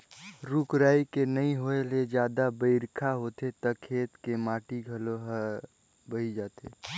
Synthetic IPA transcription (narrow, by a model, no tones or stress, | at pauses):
ɾukɾaːikenəĩɦoeled͡ʒjaːd̪abəɪɾkʰaɦoːt̪et̪əkʰeːt̪kemaːʈiɡʱəloɦə | bəid͡ʒaːt̪ḛ